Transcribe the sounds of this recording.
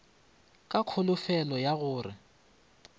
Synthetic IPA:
kʼakʰʊlʊfɛlɔjaɣʊːrɪ̰

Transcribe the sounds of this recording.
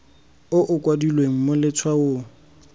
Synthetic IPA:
ʊʔʊkʼwadilweŋ̩mʊlɪt͡sʰwao

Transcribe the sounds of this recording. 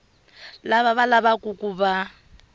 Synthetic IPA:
laβaβalabakʼukʼuba

